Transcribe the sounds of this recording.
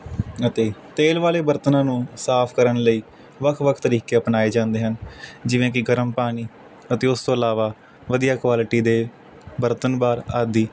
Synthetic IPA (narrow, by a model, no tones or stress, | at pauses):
ət̪eːt̪eːlʋaːleːbəɾt̪ənãːnũːsaːpʰkəɾənləiː | ʋəkʰʋəkʰt̪əɾiːkeːəpnaːeːd͡ʒãːnd̪eːɦənd͡ʒɪʋẽːk̬ɪɡəɾəmpaːɽ̃iː | ət̪eːʊst̪õːəlaːʋaː | ʋəd̪ijaːkʋaːlɪʈiːd̪eː | bəɾt̪ənbaːɾaːd̪iː